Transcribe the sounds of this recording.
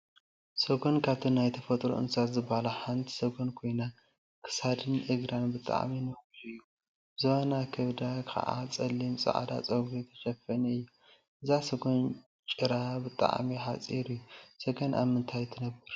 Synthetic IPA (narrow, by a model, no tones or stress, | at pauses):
sɐɡo̞nkʰaβt̪ʰinajt̪ʰɐfɐt̪ʼɾo̰ʔɨ̰nsat̪zɨbalaħant̪ʰsɐɡonkʰo̞jna | kʰɨ̥sad̪ɨnʔɨɡɾanbɨt̪ʼa̰ʕ̰minɐbɨɾɨjːu | bɨzɐβanakʰɐβd̪akʰɐ̰ʔa̰t͡sʼɐlːimsʼɐ̰ʕ̰d̪a̰t͡sʼɐɡut̪ʰɐ̥ʃɐfɐnɨjːu | ʔɨzasɐɡon | t͡ʃʼɨɾabɨt̪ʼa̰ʕmiħat͡sʼiɾɨjːusɐɡɐnʔa̰βmɨnt̪ʰajt̪ʰɨnɐbːɨɾ